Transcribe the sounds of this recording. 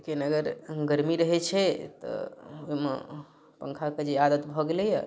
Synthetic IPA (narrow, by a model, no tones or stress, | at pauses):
kenəɡəɾɡəɾmiɾəɦɛt͡ʃʰɛt̪ɔ̰oɦimḛ | pə̰ŋkʰaked͡ʒead̪ət̪bʱɔɡelɛja̰